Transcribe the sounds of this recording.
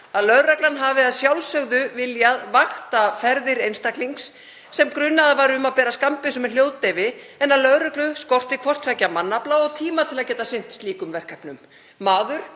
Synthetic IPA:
aðlœðɾaklanɦavɪaðsjawlsœɣðʏvɪljaðvaxt̪afɛɾðɪɾejnst̪akliŋksː | ɛmkɾʏnːaðavaɾʏmaðpɛːɾaskampɪsɔmɛnl̥jowðt̪ɛvɪ | ɛnːaðlœðɾɛklʏskɔr̥t̪ikʰvɔr̥t̪fɛcːamanːaplaɔɣt̪ʰiːmat̪ʰɪlaðcɛːt̪asɪn̥t̪st̪liːkʏmvɛr̥kʰapnʏmː | aːðʏɾ̥

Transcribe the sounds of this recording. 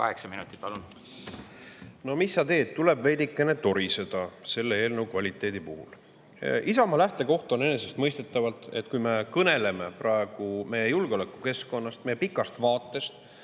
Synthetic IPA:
kɑ̰heksɑminut̪ːˑi̥t̪ːɑlun | no̞misːɑt̪e̞ːd̪t̪t̪ːule̞bvejd̪ikːˑene̞t̪o̞ɾise̞d̪̥ɑse̞lːee̞ːlne̞ukvɑlʲit̪ːˑe̞ːd̪ipuhṵl | isɑmɑlæht̪e̞ko̞ht̪o̞ne̞ne̞se̞st̪mɤjst̪e̞t̪ːˑɑvɑlt̪ˑe̞t̪ːkujme̞kɤne̞le̞me̞prʔɑeɡ̥ume̞jejulɡ̥eo̞lækːˑuke̞sko̞nːɑst̪̚mejpikːˑɑst̪vɑːt̪ːˑe̞st̪

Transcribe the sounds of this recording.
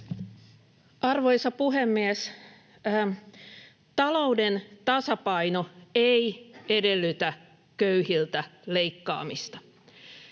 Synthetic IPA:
ʔɑrʋo̞jsɑpuɦemːies | t̪ɑlo̞udent̪ɑsɑpɑjno̞eijede̞lːyt̪æ | køyhilt̪æleikːɑ̰ːmist̪ɑ̥

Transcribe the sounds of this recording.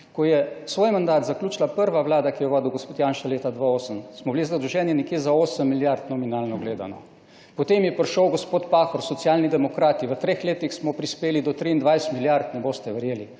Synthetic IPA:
kɔjɛsʋoːjmand̪aːt̪zaklʲjuːt͡ʃilapəɾʋaʋlaːd̪akijɛʋaːd̪iwɡospoːt̪janʃaleːt̪ad̪ʋaoːsəmsmɔblizad̪ɾuʒɛːnjɛnɛkjeːzaoːsəmːiljaɾt̪nɔminaːlnɔɡleːd̪a̰nɔ | pɔt̪eːmjɛpɾʃəwɡospoːt̪paxɔɾsɔt̪sjalnid̪ɛmɔkɾaːt̪iʋət̪ɾeːxleːt̪ixsmɔpɾispeːlid̪ɔt̪ɾiːnd̪ʋajsɛ̥t̪miljaɾt̪nɛboːst̪ɛʋəɾjeːli

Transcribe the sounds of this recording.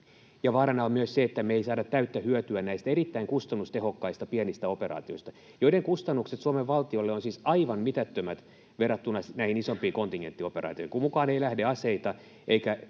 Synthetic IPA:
jɑʋɑːɾɑnɑommyøsseet̪ːæmeeisɑːdɑt̪t̪æyt̪ːæhyøt̪yænnæist̪æerit̪ːæiŋkust̪ɑnːust̪ehokːɑist̪ɑpiɛnist̪æoperɑ̰ːt̪ioist̪ɑ | joiɾeŋkust̪ɑnːukset̪suomeʋʋɑlt̪iolːeonsiːsɑiʋɑnmit̪æt̪ːømæt̪ | ʋerɑt̪ːunɑsnæihinisompiːkont̪iŋɡent̪ːioperɑ̰ːt̪iohiŋkumukɑːneilæhdeɑseit̪ɑ | ʔeikæ

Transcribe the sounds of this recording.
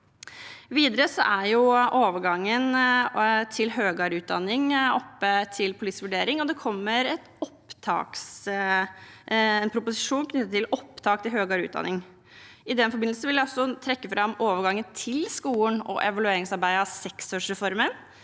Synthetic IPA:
ʋiːd̪əɾəsɔ̰ʔæɾjʊʔoːʋəɾɡɑŋːən | t̪ʰɪlɦøːɡɑːɾʉːd̪ɑ̰nːɪŋɔpːət̪ʰɪlpʰʊliːsʋʉɖeːɾɪŋɔd̪ɛkʰɔmːəɾɛt̪ɔpt̪ʰɑ̰ːks | ɛnpʰɾʊpʊsɪʂuːnkʰnʏt̪ːət̪ːɪlɔpːt̪ʰɑːk̚t̪ɪlɦhøːɡɑːɾʉ̰t̪d̪ɑ̰nɪŋ | ɪd̪ɛnfɔɾbɪnsən̩ʋɪlʋæɔsɔt̪ʰɾɛkːəfɾʔɑmːoːʋəɾɡɑŋːənt̪ʰɪlskuːnɔ̰ʔɛʋɑlʉeːɾɪŋsɑɾbæɪəɑʋsɛksoːʂɾɛfɔɾmən

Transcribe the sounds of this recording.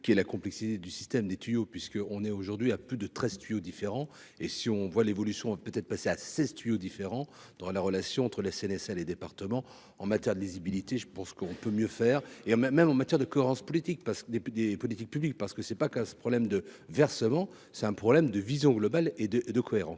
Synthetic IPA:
kʲiɛlakɔ̃plɛksit̪ed̪ysist̪ɛmd̪et̪ɥijopɥiskəɔ̃nɛoʒuʁd̪ɥiaplyd̪ət̪χɛzt̪ɥijod̪ifeʁɑ̃ | esiɔ̃vwalevɔlysjɔ̃vapøt̪ɛt̪χpaseasɛzt̪ɥijod̪ifeʁɑ̃ | d̪̥ɑ̃laʁəlasjɔ̃ɑ̃t̪χəlesɛnɛsɛled̪epaʁt̪əmɑ̃ | ɑ̃mat̪jɛʁd̪əlizibilit̪eʒəpɑ̃skəɔ̃pømjøfɛːʁeɑ̃mɛmɑ̃mat̪jɛʁd̪əkɔeʁɑ̃spɔlit̪ik̚paʁskd̪ed̪epɔlit̪ik̚pyblik̚paʁsə̥kəsɛpakɛ̃spχɔblɛmd̪əvɛʁsəmɑ̃ | sɛt̪ɛ̃pχɔblɛmd̪əvizjɔ̃ɡlɔbaled̪əd̪əkɔeʁɑ̃s

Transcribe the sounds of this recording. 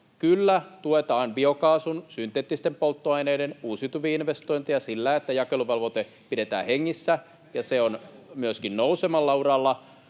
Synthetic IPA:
kylːæt̪uet̪ɑːnbiokɑːsunsynt̪eːt̪ːist̪empolt̪ːoɑineːdenuːsit̪uʋiinʋest̪oint̪ijɑsilːæet̪ːæjɑkeluʋelʋot̪e | pidet̪æ̰ːheŋːisːæ | jɑseonmyøskinnousemɑlːɑuɾɑlːɑ

